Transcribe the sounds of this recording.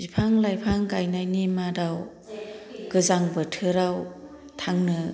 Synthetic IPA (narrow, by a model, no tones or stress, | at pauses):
bipʰaŋlajpʰaŋɡajnajnimadaw | ɡ̥ɯzaŋbɯtʰɯɾaw | tʰaŋnɯ